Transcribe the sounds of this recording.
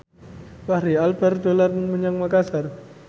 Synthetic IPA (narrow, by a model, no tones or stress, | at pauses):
pahɾialbard̪olarməɲaŋmakasar